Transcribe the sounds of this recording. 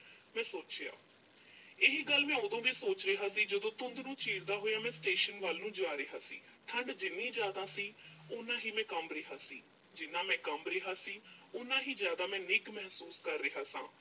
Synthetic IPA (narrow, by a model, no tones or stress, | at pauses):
mɛ̃ːsoːt͡ʃeja̰ː | ɪɦiɡəlːmɛ̃ːõːd̪õːʋiːsoːt͡ʃɾəɦaːsiːd͡ʒəd̪õːt̪ʊnd̪nũːt͡ʃiːɾd̪aːɦoːjaːmɛ̃ːsʈeːʃənʋaːlnũːd͡ʒaːɾɪɦaːsḭː | t̪ʰəɳɖd͡ʒɪnĩːd͡ʒjaːd̪ãːsiːʊnãːɦiːmɛ̃ːkəmɾeːɦaːsiː | d͡ʒɪnːãːmɛ̃ːkəmɾeɦaːsiːʊnãːɦiːzjaːd̪aːmɛ̃ːnɪkmɛɦsuːskəɾːəɦaːsã̰ː